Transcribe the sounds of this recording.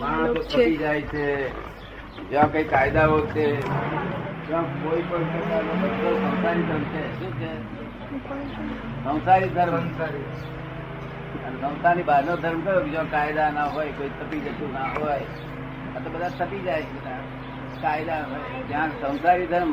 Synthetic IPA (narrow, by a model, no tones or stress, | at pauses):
mãt̪ot̪ʰpid͡ʒajt͡ʃʰe | d͡ʒãkoikaɪd̪aɦotʰe | d͡ʒãkoipəɳsesaɾnobəɾkosə̃w̃saɾid̪ʱəɾmt͡ʃʰeʃũt͡ʃʰe | sə̃w̃saɾid̪ʱəɾsaɾi | ənesə̃ʊ̃saɾibad̪nod̪ʱəɾmkəɾoked͡ʒãkaɪd̪anaɦojkoit̪ʰəpid͡ʒət̪ũnaɦoj | ət̪obəd̪ʱat̪ʰəpid͡ʒajt͡ʃʰena | kaɪd̪aɦoj | d͡ʒãsə̃w̃saɾid̪ʱəɾm